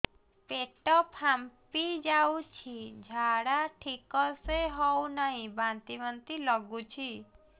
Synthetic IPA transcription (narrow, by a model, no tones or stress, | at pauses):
peʈɔpʰampid͡ʒaut͡ʃʰid͡ʒʱaɽaʈʰikɔseɦɔũnəɦĩbãnt̪iʋənt̪ilɔɡũt͡ʃʰi